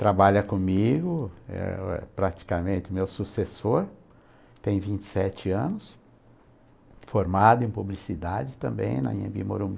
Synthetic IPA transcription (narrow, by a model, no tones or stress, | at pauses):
t̪ɾabaʎɐkõmiɡʊɛ̰ɛ̰pɾat͡ʃi̥kamẽnt̪ɪmewsusesoɾ | t̪ẽj̃vĩnt͡ʃɪ̥sɛt͡ʃɪɐ̃nʊs | foɾmad̪ʊẽj̃publisid̪ad͡ʒɪt̪ɐ̃mbḛ̃j̃nɐ̰iḛ̃bimo̰ɾũm